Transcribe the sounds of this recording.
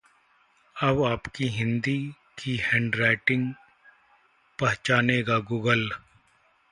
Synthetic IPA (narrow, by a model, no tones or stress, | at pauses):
ɐbaːpkiɦɪ̃nd̪i | kʰihɛ̃ːɳɖɾaːɪʈɪ̃ŋɡ | pɐɦt͡ʃaːneːɡaɡuːɡəl